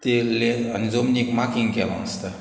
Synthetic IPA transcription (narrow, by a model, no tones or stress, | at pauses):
t̪eleanzomnʲikmakiŋkala̰ŋst̪a